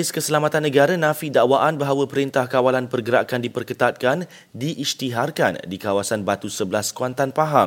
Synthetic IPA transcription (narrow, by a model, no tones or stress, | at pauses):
ɪskəsəlamat̪anːə̃ɡaɾanãfidaʔwaʔanbaɦawəpəɾint̪ahkawalanpərɡəɾaʔkandipərkət̪at̪̚kan | diʔːst̪iɦarka̰ndikawasanbat̪usəbəlaskwant̪anpaɦaŋ